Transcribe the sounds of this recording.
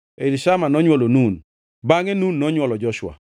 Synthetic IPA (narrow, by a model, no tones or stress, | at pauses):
eliʃamanɔɲwɔlonun | baŋenunːɔɲwɔlɔd͡ʒɔʃwa̰